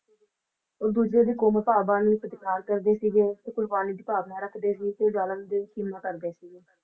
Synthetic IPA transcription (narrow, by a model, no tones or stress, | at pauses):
oːɾd̪uːd͡ʒɾeːd̪iːkoːməpaːbaːnĩpəd̪ɪkaːɾkəɾd̪eːsiɡeːt̪eːkʊɽbaːniːd̪iːpaːbnaːɾəkʰd̪eːsiːt̪eːɖaːlənd̪eːkiːmːakəɾd̪eːsiːɡeː